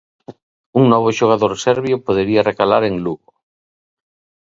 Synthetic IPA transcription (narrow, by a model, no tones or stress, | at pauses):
uŋnɔβ̞oʃoɣ̞aðoɾsɛɾβjopoðeɾiarekalaɾeŋluɣo